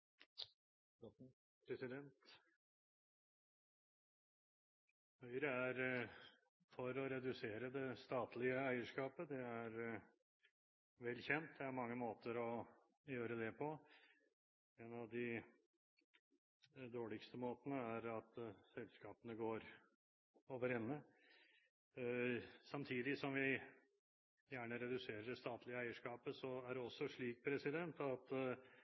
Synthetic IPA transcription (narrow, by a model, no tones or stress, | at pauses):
pɾɛsɪd̪ɛnt̪ | hœʏɾəæɾ | fɔɾɔɾɛd̪ʉseːɾəd̪ɛst̪ɑːt̪lɪəæɪəʂkɑːpəd̪ɛæɾ | ʋɛlːçɛnt̪̚d̪ɛæɾmɑŋːəmoːt̪əɾɔ | jøːɾəd̪ɛpʰɔ | ɛnɑʋd̪ɪ | d̪oːɭɪkst̪əmoːt̪ənəæɾɑt̪sɛlskɑːpənəɡoːɾ | oːʋəɾɛnːə | sɑmt̪ʰiːd̪ɪsɔmʋɪ | jæːɳəɾɛd̪ʉseːɾəɖɛst̪ɑːt̪ʰlɪəæɪəʂkɑːpəsɔæɖɛɔsːɔʂɭiːk̚pʰɾɛsɪd̪ɛnt̪ɑt̪